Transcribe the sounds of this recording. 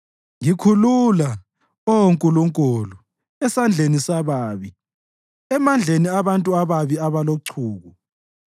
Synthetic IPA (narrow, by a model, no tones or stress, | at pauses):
ŋikʰulula | ooŋkʼuluŋkʼulu | ɛsand͡ɮʱenisaβaːβi | ɛmand͡ɮʱeniaβantʼuaβaβiaβaloǀʰuːɣu